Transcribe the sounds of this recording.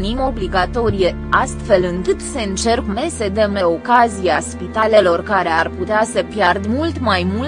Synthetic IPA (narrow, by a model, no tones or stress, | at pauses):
nimo̞bliɡat̪o̞ɾije | ast̪fe̞lɨŋkɨt̪se̞ɨnt͡ʃe̞rkmesed̪emeo̞kazijaspit̪ale̞lo̞rkaɾe̞arput̪easəpjard̪mult̪majmul